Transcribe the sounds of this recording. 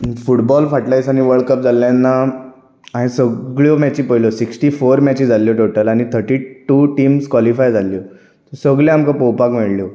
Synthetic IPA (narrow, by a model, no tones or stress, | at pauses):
fuʈbɔlfaʈlajsañiʋəɭkəp̚d͡zʱalːjãnːa | aɦẽsəɡɭjɔmat͡ɕipəjlɔsiksʈifoɾmat͡ɕĩd͡zalːjɔʈoʈəlaɽ̃it̪ʰəɾʈiʈuʈiːmskʋalifajd͡zʱalːjɔ | t̪səɡɭẽamkãpɔwpakmeɭljɔ